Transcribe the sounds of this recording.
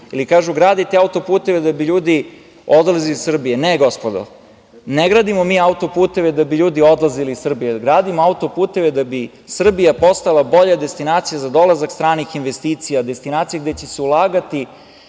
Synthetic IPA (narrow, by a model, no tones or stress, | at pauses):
ilikaːʒuɡɾaːd̪it̪eaut̪o̞puːt̪e̞ʋed̪abiʎuːd̪i | od̪lˠazilisr̩bijeneɡo̞spod̪o̰ | neɡɾaːd̪imomiːaut̪o̞puːt̪e̞ʋed̪abiʎuːd̪io̞d̪lˠaziliːsr̩bijeɡɾaːd̪imoaut̪o̞puːt̪e̞ʋed̪abi | sr̩bijapo̞st̪alˠabo̞ʎad̪est̪inaːt̪sijazad̪o̞lˠazakst̪ɾaːnixinʋest̪iːt̪sijad̪e̞st̪inaːt̪sijaɡd̪et͡ɕeseulˠaːɡat̪i